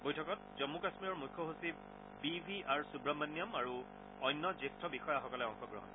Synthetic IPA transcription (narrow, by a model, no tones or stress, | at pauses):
bojtʰɔkɔt̚zɔmːukasmiɔɹmujkʰːɔɦusi | bibʱiaɹsubɹɔmanːjɔmaɹu | ɔjnːɔzestʰɔbixɔjaxɔkɔlɛɔŋxɔɡɹɔ̰ɦɔ̰n